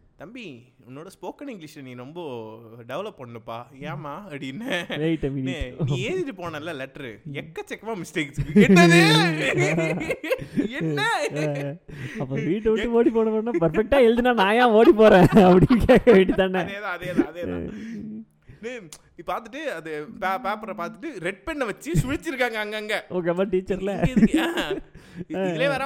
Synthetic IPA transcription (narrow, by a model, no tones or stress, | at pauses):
t̪ɐmbiʊnːoːɽɐspoːkɐnɪŋɡlɪʂnĩːɾɔmbɐɖɛʋlɐpːɐɳːɯpːaːjaːmaːɐpɽinːɐʋeːjʈːɐʋɪniʈːeːðɪʈːɯpoːnɐ̃ɪlːɐlɛʈːɐɾɛkːɐt͡ʃɛkːɐmaːmɪsʈeːks | ɐpːoʋiːʈːɯʋɪʈːɯʋoːɽip̬oːɽɐpɐːɽnːaːpɐɾfɛk̚ʈːaːɛɻd̪ɯnaːnãːjãːoːɽipoːɾẽːɐpːɐɽɪkeːkɐʋẽːɳɖit̪ːaːnːɛðãɐðẽːɐðeːã̰ | n | ipaːɾt̪ɯʈːɯɐðɯpapaːpɐɾɐpaːɾt̪ɯʈːɯɾɛʈ̚pɛɳːɐʋɐt͡ʃːɯsʊɻɪt͡ʃːɪɾɯkːaːŋɡɐɐŋɡɐɐŋɡɐoːk̬eːmaːʈiːt͡ʃːɐɾlɐ | leːʋɐɾã